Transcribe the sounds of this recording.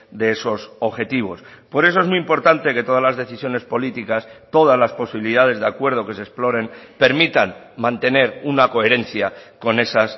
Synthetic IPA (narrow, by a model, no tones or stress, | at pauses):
d̪eeso̞soβxe̞t̪iβ̞o̞̰spo̞ɾe̞s̬o̞ezmĩmpo̞ɾt̪ant̪e̞ke̞t̪o̞ð̞azlazðe̞θisjo̞ne̞spo̞lit̪ikast̪o̞ð̞azlaspo̞siβiliðað̞e̞zðeakwe̞ɾð̞o̞ke̞se̞splo̞ɾe̞npe̞ɾmit̪an | mãnt̪e̞ne̞ɾunako̞e̞ɾe̞n̟θjako̞ne̞sas